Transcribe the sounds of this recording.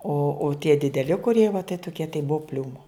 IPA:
oː oː tʲiɛ dʲɪdʲɛˈlʲɪ kʊˈrʲiɛ ʋɐ tɐɪ toːˈkʲiɛ tɐɪ ˈbʊʋoː ˈpʲlʲuːmoː

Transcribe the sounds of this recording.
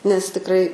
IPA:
nʲɛs tʲɪkˈrɐɪ

